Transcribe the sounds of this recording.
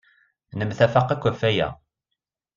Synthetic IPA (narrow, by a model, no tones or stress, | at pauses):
nəmθæfɑqːækʷːæfæjæ̰